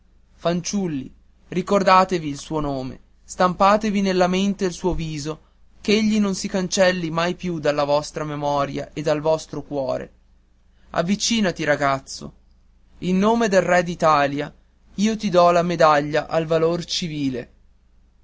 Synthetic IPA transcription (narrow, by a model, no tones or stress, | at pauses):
fant͡ʃulːḭ | rikord̪aːt̪eviːlsuːonoːmḛ | st̪ampaːt̪evinelːament̪eːlsuːoviːzo | keʎːinonsikant͡ʃɛlːimajpjud̪alːavɔst̪ɾamemɔːɾja̰ʔed̪ːalvɔst̪ɾokwɔːɾḛ | a̰vːit͡ʃiːnat̪iɾaɡat̪sːo̰ | inːoːmed̪elrɛd̪it̪aːlja | iːot̪id̪ɔlamed̪aʎːaʔalvalort͡ʃiviːle